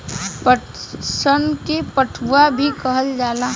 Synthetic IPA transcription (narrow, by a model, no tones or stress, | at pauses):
pə | sənkepəʈʰuwabʱikəɦəld͡ʒaːla